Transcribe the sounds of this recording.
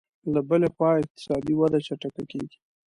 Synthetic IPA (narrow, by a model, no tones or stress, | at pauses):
labəlexwɑɪq̚t̪ɪ̥sɑd̪iwad̪at͡ʃaʈakakeɡi̥